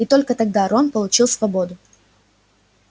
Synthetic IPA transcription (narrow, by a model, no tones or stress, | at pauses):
ɪt̪o̞lʲkət̪ɐɡ̚d̪aɾonpəlˠʊt͡ɕilˠsvɐbo̞d̪ʊ